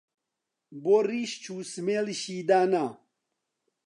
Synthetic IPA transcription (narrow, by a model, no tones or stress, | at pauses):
boɾiɕt͡ɕʰuːsmelɕiːd̪aːna